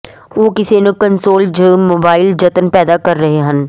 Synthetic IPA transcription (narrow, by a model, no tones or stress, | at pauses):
ʋoːkɪsenəkənsoːld͡ʒəːmoːbaːɪld͡ʒɐt̪ənpɛːd̪akɐɾːɐɦeɦən